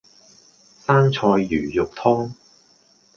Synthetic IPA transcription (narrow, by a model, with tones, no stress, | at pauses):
saː˥nt͡ʃʰɔː˧jːyː˨˩jʊ˨k̚t̪ʰɔː˥ŋ